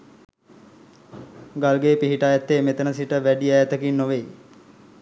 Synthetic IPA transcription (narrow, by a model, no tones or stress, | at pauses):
ɡalɡeːpiɦiʈaːjat̪ːeːmet̪ənəsiʈəʋæɖiɛjɛt̪əkinːoʋej